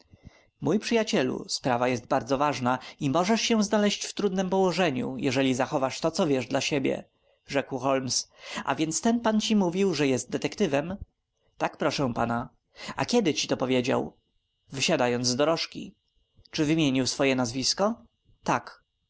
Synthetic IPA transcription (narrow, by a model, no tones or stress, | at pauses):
mujpʂɘjat͡ɕɛlṵspɾavajɛst̪̚baɾd̪zɔvaʐnaimɔʐɛʂɕɛ̃znalɛɕt͡ɕft̪ɾud̪nɘmpɔwɔʐɛɲṵjɛʐɛlʲizaxɔvaʂt̪ɔt̪sɔvʲjɛʐdlaɕebʲjɛ̰ | ʐɛkwxɔlmsa̰vʲjɛnt̪st̪ɛnpant͡ɕimuvʲiwʐɛjɛst̪̚d̪ɛt̪ɛkt̪ɘvɛm | t̪akpɾɔʂɛ̃pa̰na | a̰kʲjɛd̪ɘt͡ɕit̪ɔpɔvʲjed͡ʑa̰w | vɘɕad̪ajɔnzd̪ɔɾɔʂkʲḭ | t͡ʂɘvɘmʲjeɲiwsfɔjɛnazvʲiskɔ | t̪ak